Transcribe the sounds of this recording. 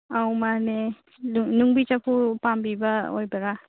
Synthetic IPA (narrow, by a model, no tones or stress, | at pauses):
awmane | nuŋbit͡ʃapʰupambibɐo̰jbaɾa